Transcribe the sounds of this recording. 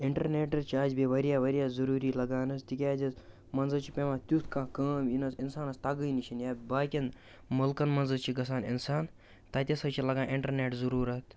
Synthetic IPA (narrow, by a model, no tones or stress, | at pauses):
ɪɳʈɐɾneːʈɐt͡ʃʰiaːd͡ʒbiʋɐɾijaːʋɐɾijaːzɐɾuːɾiːlɐɡaːnɐst̪ikʲaːd͡ʒɐs | mɐnzɐt͡ʃʰi̥pʲemãt̪ʲut̪ʰkãːkɐːmjinɐsinsaːnɐst̪aɡəjnit͡ʃʰinjaːbaːkʲin | mɐlkɐnmɐnzɐt͡ʃʰiɡɐsaːninsaːn | t̪ɐt̪ʲesɐt͡ʃʰilɐɡaːnʔɪɳʈɐɾneːʈzɐɾuːɾɐt̪